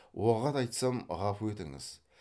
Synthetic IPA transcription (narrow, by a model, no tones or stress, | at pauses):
woʁɑt̪ɑjt̪sɑmʁɑfwet̪ɪŋɪ̰z̥